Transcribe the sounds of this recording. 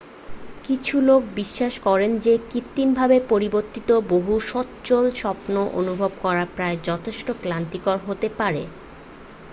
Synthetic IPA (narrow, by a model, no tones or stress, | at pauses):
kit͡ɕʰulok̚biʃːaʃkɔɾend͡ʑekit̪ːinbʱabepoɾiboɾt̪it̪oboɦuʃɔtt͡ɕolʃɔpnoʔo̰nubʱobkɔɾapɾaed͡ʑɔt̪ʰeʃʈoklant̪ikoɾɦot̪epaɾe